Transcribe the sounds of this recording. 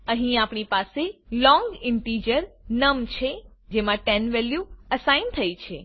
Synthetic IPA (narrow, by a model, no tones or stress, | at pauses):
əɦĩapɳipaselɔ̃ŋɡɪɳʈid͡ʒəɾnəmt͡ʃʰed͡ʒemãʈɛnʋɛljuəsaint̪ʰəjt͡ʃʰe